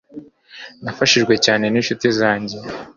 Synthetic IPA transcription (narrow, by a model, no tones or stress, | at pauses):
nafaʃiʒɡwe̞caːne̞ninʃutizaːɲɟe̞